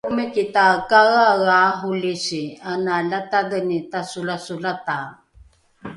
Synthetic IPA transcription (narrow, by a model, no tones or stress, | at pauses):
mikitakaɣaɣaːɦulisianalatadənitasulasulata